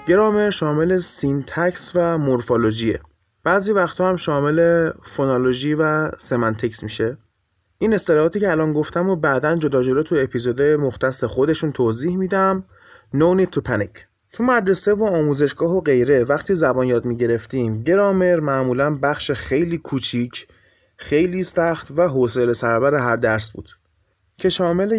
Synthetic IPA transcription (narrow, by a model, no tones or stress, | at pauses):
ɟ̥e̞ɾɒːme̞ɾʃɒːme̞lesint̪ʰæcsvæmoɾfolod͡ʒiḛ | b̥æːzivæxt̪ʰɒːhæmʃɒːme̞lefonoloʒiːvæsemænt̪ʰecsmiʃe | ʔiːne̞st̪elɒːhɒːt̪ʰiːcʰeælɒːnɡo̞ft̪ʰæmobæd̪ænd͡ʒo̞d̪ɒːd͡ʒoɾɒːt̪ʰuepʰizod̪ɒjemoxt̪ʰæsexo̞d̪e̞ʃunt̪ʰoːziːhmiːd̪æm | nownit̪ʰupʰænicʰ | t̪ʰumæd̪ɾe̞se̞voɒːmuːze̞ʃɡ̥ɒːɦoɢe̞jɾe̞væxt̪ʰiːzæbɒːnjɒːd̪miːɟe̞ɾe̞ft̪iːmɟe̞ɾɒːme̞ɾmæʔmuːlænbæχʃexe̞jliːkʰut͡ʃʰicʰ | xe̞jliːsæxt̪væɦoselesæɾæbæɾeɦæɾd̪æɾsbṵːd̪̥ | cʰe̞ʃɒːme̞le